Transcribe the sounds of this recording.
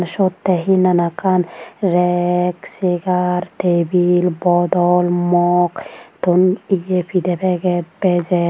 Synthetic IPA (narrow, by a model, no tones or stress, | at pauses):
nʃɔt̪ːɛɦinanakanɾɛkseɡaɾt̪ebilbɔd̪ɔlmɔkt̪unijepʰid̪ɛpʰɛɡɛt̪̚bɛd͡ʒɛ